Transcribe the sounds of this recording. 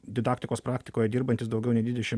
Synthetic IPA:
d̪ʲɪd̪ɑːkt̪ʲɪkoːspɾɑːkʲt̪ʲɪ̥koːjɛd̪ʲiːɾbɐnʲt̪ʲɪsd̪ɐʊɡʲɛʊnʲɛɪd̪ʲʋʲɪd̪ʲɛʃʲɪm

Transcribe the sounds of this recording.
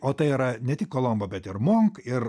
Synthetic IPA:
oːt̪ɐɪiɾɐnʲɛt̪ʲɪkːoːlˠɔmbɐbʲɛt̪ɪɾmoːŋkɪɾ

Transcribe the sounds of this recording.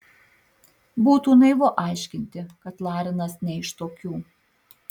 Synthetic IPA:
buːt̪uːnɐɪʋoːʔɑˑɪʃʲkʲɪnʲt̪ʲɪkɐt̪lˠɑːɾʲɪnɐsnʲɛɪʃt̪oːkʲuː

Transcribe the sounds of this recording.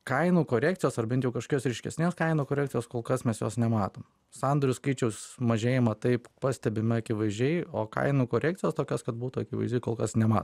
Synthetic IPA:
kɐɪnuːkoːɾʲæːk̚t͡s̪sʲɪjoːsɐrbʲɛnt̪jɛʊkɐʃko̥ɔkʲosɾʲɛɪʃʲkʲɛ̰sʲnʲeːskɐɪnuːkoːɾʲæːk̚t͡ssʲɪjoːskoːlˠkɐsmʲɛsjo̰ːsnʲɛmɑːt̪oːm | sɑnd̪oɾʲʊskɐɪt͡ʃʲɛʊsmɐʒʲeːjɛmɐt̪ɐɪppɑsʲt̪ʲɛbʲɪmʲɪɐkʲɪʋɐɪzʲd͡ʒʲɛɪoːkɐ̰ɪnuːkoːɾʲæːktt͡s̪ʲɪjoːst̪oːkʲoːskɐt̪buːt̪uɐkʲɪʋɐɪzʲd̪ʲʊɪkoːlˠkɐsnʲɛmɑ̰ːt̪

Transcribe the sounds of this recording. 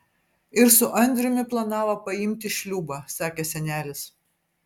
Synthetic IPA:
ɪɾsʊʔɐnʲd̪ʲɾʲʊmʲɪplˠɐnɑːʋɐpɐɪmʲt̪ʲɪʃʲlʲuːbɑːsɑːkʲeːsʲɛnʲæːlʲɪs

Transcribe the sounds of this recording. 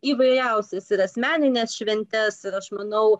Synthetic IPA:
iːʋɐɪɾʲɛʊsʲɛsɪɾɐsʲmʲæːnʲɪnʲeːsʃʲʋʲɛnʲt̪ʲɛsɪɾɐʃmɐnɐʊ

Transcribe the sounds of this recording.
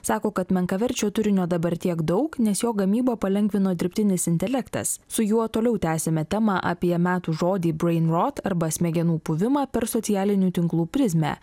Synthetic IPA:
sɑːkoːkɐt̪mʲɛŋkɐʋʲɛɾʲt͡ʃʲoːt̪ʊɾʲɪnʲoːd̪ɐbɐɾʲt̪ʲiɛɡd̪ɒʊknʲɛsjoːɡɐmʲiːboːpɐlʲɛŋʲɡʲʋʲɪnoːd̪ʲɪɾʲpʲt̪ʲɪnʲɪsɪnʲt̪ʲɛlʲɛkt̪ɐ̰ssʊjuɔt̪oːlʲɛʊt̪ʲæːsʲɛmʲɛt̪ʲɛmɑʔɑ̰ːpʲiɛmʲæːt̪uːʒoːd̪ʲiːbɾɛɪnɾot̪ɐɾbɐsʲmʲɛɡʲɛnuːpʊʋʲɪmɑːpʲɛɾsɔt̪ʲɪjæːlʲɪnʲuːt̪ʲɪŋklˠuːpʲɾʲɪzʲmʲæ̰

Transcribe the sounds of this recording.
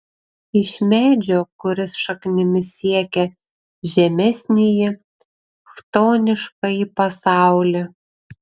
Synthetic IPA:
ɪʃʲmʲæːd͡ʒʲoːkʊɾʲɪsʃɐknʲɪmʲɪsʲiɛkʲɛ | ʒʲɛmʲɛsʲnʲɪjɪ | xt̪oːnʲɪʃkɐipɐsɑˑʊlʲɛ

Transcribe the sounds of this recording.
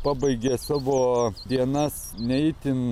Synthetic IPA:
pɑːbɐɪɡʲeːsɑːʋoːd̪ʲiɛnɐs | nʲɛɪt̪ʲɪn

